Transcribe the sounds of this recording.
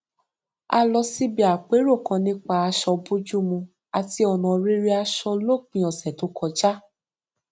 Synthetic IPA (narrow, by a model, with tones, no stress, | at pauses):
a˧lɔ˧si˦bi˦a˨k͡pe˨˦ɾo˦˨kã˨˧nĩ˦k͡pa˧a˧ʃɔ˧bu˦d͡ʒu˦mũ˧ | a˨ti˧ɔ˨nɔ̃˨˧ɾi˦ɾi˦a˧ʃɔ˧lo˦˨k͡pĩ˨ɔ̃˨sɛ˨to˨˦kʰɔ˧d͡ʒa˦